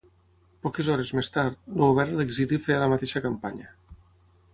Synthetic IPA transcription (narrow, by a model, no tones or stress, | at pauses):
pɔkezɔɾezmest̪aɾt̪nooβɛɾaleɡzilifealamat̪eʃakampaɲa